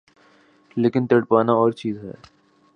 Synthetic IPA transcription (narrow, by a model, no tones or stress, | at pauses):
leːkɪnt̪eɽpaːnaɔːɾt͡ʃiːzɦɛ̰ː